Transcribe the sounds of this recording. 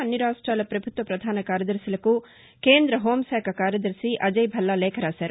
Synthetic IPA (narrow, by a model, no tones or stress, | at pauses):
ɐnːiɾaːʂʈɾaːlɐpɾɐbʱut̪ʋɐpɾɐd̪ʱaːnɐkaːɾjɐd̪ɐɾsilɐku | keːnd̪ɾɐɦoːmsɛːkɐkaːɾjɐd̪ɐɾsiʔɐd͡ʒɐjbʱɐlːaːleːkʰɐɾaːsɐɾ